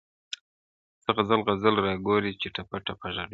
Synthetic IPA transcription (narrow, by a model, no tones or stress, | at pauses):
səɣazalɣazalɾɑɡoɾit͡ʃeʈʰapaʈapaʒaɾ